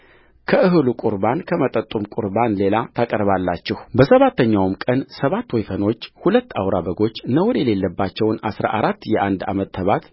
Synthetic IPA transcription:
kʰəʔɨɦɨlukʼuɾbankʰəmət̪ʼət̪ʼːumkʼuɾbanle̞lat̪ʰakʼəɾβalːat͡ʃːɪhbəsəβat̪ʰːəɲːawmkʼənsəβat̪ːwɔjfəno̞t͡ʃːhulət̪ːa̰wɾaβəɡo̞t͡ʃːnəwɾjɛle̞lːəbːat͡ʃːɛwna̰sɾa̰ʔaɾat̪ːjɛʔand̪a̰mət̪ːʰəβat̪

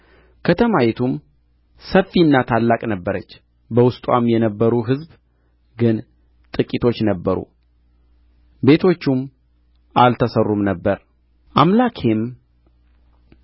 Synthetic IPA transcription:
kʰət̪ʰəmajɛt̪ʰum | səfːinːat̪ʰalːakʼnəbːəɾət͡ʃː | bəwʊst̪ʼwamjɛnəbːəɾuɦɨzb | ɡɨn | t̪ʼɨkʼit̪ʰo̞t͡ʃːnəbːəɾṵ | be̞t̪ʰo̞t͡ʃːum | ʔalt̪ʰəsərːumnəbːəɾ | ʔamlakʰem

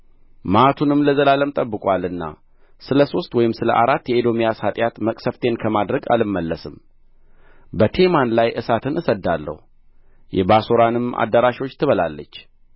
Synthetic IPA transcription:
mat̪ʰunɨmləzəlaləmt̪ʼəbːɨkʷʼwʷalɨnːa̰ | sɨləso̞st̪wɔjɪmsɨlə̰ʔaɾat̪ːjɛid̪o̞mijashat̪ʼjat̪məkʼsəft̪ʰe̞nkʰəmad̪ɾəɡa̰lɨmːəlːəsɨm | bət̪ʰe̞manlajʔɨsat̪ʰɨnʔɨsəd̪ːalːə̰hu | jɛ̰baso̞ɾanɨma̰d̪ːəɾaʃwot͡ʃːt̪ʰɨβəlalːət͡ʃː

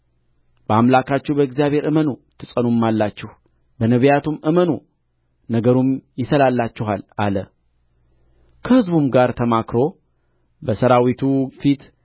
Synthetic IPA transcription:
b̥əamlakʰat͡ʃːɛwbəɨkzjaβhe̞ɾɨmənut̪ʰɨsʼənumːalːat͡ʃːɪh | bənəβjat̪ʰumɨmənu | nəɡəɾumjɪsəlalːat͡ʃːɪɦalʔalə | kʰəhɨzbumɡaɾt̪ʰəmakʰɾo̞ | bəsəɾawit̪ʰufit̪

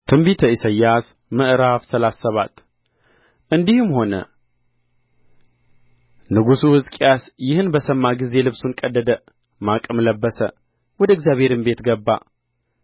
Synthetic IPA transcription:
t̪ʰɨmbit̪ʰəisəjːas | mɨʔɾafsəlasəβa̰t̪ | ʔɨnd̪ihumho̞nə̰ | nɨɡusuwɨsʼkʼijasjɪhɨnbəsəmːaɡize̞lɨβsunkʼəd̪ːəd̪ə | makʼɨmləbːəsə̰ | wɔd̪əɨɡzjaβhe̞ɾɨmbe̞t̪ɡəbːa̰

